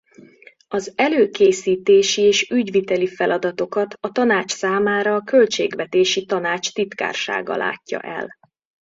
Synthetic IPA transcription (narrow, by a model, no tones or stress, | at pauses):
ɒzɛløːkeːsiːt̪eːʃieːʃyɟvit̪ɛlifɛlɒd̪ɒt̪o̞kɒt̪ɒt̪ɒnaːt͡ʃsaːmaːɾɒːkø̞lt͡ʃeːɡʋɛt̪eːʃit̪ɒnaːt͡ʃt̪it̪ka̰ːrʃa̰ːɡɒ̰lʔa̰ːcːɒ̰ʔɛ̰l